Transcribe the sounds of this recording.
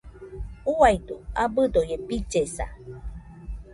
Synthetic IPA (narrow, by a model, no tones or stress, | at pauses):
uajdoabɨdojepit͡ʃesa̰